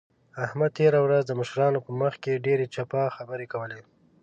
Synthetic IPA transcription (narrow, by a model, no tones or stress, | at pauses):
ahmad̪̚t̪eɾawɾazd̪əməʃɾɑnopəməxkeɖeɾet͡ʃapɑxabəɾekawəle